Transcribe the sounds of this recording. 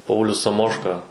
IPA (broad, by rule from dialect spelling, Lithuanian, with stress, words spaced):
ˈpɐʊlʲʊs sɐˈmoːʃkɐ